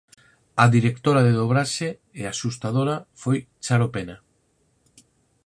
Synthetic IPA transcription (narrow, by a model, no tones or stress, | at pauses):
aðiɾekt̪oɾaðeðoβ̞ɾaʃe | easust̪aðoɾafojt͡ʃaɾopena